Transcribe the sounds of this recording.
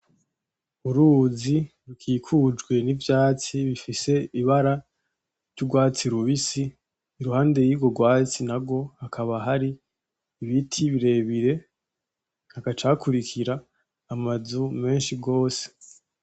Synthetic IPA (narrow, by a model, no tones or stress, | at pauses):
uɾuːziɾukʰiːkʰud͡ʒɡwe̞nivjaːt͡siβifise̞iβaɾa | ɾɟuɡwaːt͡siɾuβisiː | ɾuhaːnde̞jiːɡo̞ɡwaːt͡sinaɡo̞hakʰaβaɦaɾiː | βitʰiβiɾe̞ːβiɾe̞ | hakat͡ʃakʰuɾikʰiɾaː | mazume̞ːnʃiɡo̞ːse̞̥